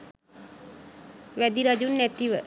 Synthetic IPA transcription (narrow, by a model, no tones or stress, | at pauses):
ʋæd̪iɾad͡ʒunːæt̪iʋə